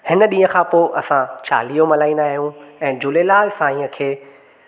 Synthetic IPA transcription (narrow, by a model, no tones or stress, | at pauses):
hɪnə̆ɗĩːə̃kʰãpoːʔɐsãt͡ɕa̰ːlijomɐlaːĩnd̪aːɦijũɛ̃ːd͡ʑʊlelaːɪsãːĩːə̃kʰeː